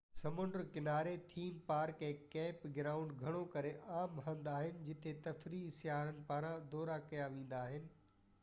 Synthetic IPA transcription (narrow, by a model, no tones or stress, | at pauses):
sɐmʊ̃ɳɖəɾkɪnaːɾet̪ʰiːmpaːɾkɛ̃ːkɛːpɡɪɾaːʊ̃ɳɖɡʱɐɽ̃okɐɾeʔaːmɦãːnd̪aːɦɪnɪ̆d͡ʑɪt̪ʰet̪ɐfɾisjaːɾənɪ̆paːɾãd̪ɔːɾakɐjaʋẽːn̆d̪aːɦɪnɪ̆